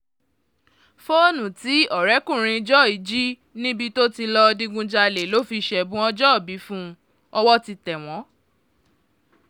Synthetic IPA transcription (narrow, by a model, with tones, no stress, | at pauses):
fo˦nũ˨ti˨˦ɔ˦˨ɾɛ˨˦kũ˦˨ɾ̃ĩ˧d͡ʒɔ˦˨i˨˦d͡ʒi˦ | nĩ˦bi˧to˦ti˧lɔ˧dĩ˧ɡũ˧d͡ʒa˧le˨lo˦fi˧ʃɛ˧bũ˦ɔ˦d͡ʒɔ˦˨bi˨˦fũ˦ | ɔ˧wɔ˦ti˧tɛ˨w̃ɔ̃˨˦